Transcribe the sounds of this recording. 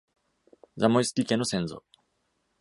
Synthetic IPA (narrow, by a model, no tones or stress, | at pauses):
zamoisɨ̥kʲikẽnːosẽ̞ñzo̰ː